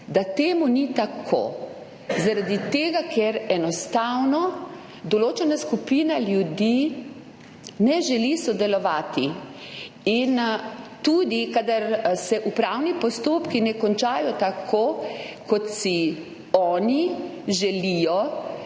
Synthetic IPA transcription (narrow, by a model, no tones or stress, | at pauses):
d̪at̪eːmunit̪akʰo̰ | zaɾad̪it̪eːɡakʰeɾɛnɔst̪awnɔ | d̪ɔloːt͡ʃɛnaskupiːnaljud̪i | nɛʒɛlisɔd̪ɛlɔʋaːt̪i | int̪uːd̪ikad̪aɾsɛʔupɾawnipɔst̪oːpkinɛkɔnt͡ʃaːjɔt̪akʰokɔt̪si | ɔːniʒɛlijɔ